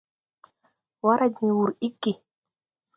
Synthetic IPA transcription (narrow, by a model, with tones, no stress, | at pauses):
wa˦ɾa˨d͡ʒĩ˨wu˨ɾi˦kːi˨